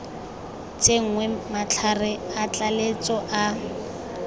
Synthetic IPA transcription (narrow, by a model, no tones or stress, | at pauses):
t͡ʃʼeŋ̩ŋwemat͡ɬʰarɪat͡ɬʼalet͡sʼɔʔa